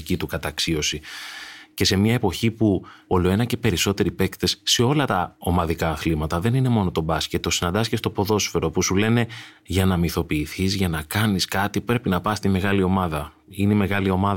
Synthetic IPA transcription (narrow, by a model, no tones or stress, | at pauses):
cit̪ukɐt̪ɐksio̞si | ce̞se̞mɲɐe̞po̞çipuo̞lo̞e̞nɐce̞pe̞ɾiso̞t̪e̞ɾipe̞kt̪e̞sse̞o̞lɐt̪ɐo̞mɐðikɐːθlimɐt̪ɐðe̞nine̞mo̞no̞t̪o̞bɐsce̞t̪ːo̞sinɐnd̪ɐscest̪opo̞ðo̞sfeɾo̞pusule̞ne̞ | ʝɐnɐmiθo̞piːθizʝɐnɐkɐniskɐt̪ipɾe̞pinɐpɐst̪ime̞ɣɐlio̞mɐðɐ | ineme̞ɣɐlio̞mɐð